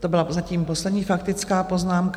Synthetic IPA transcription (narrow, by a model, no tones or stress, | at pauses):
t̪o̞bɪlazaciːmpo̞slɛdɲiːfakt̪ɪt͡skaːpo̞znaːmk